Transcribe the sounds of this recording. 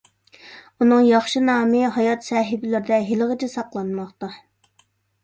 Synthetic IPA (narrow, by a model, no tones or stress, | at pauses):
unɨŋjɑχʃinɑːmɨɦɑjɑt̪sɑːɦɪbɪlɪɾɪd̪ɛɦeləʁət͡ʃʰɛsɑqlˠɑnmɑχt̪ɑ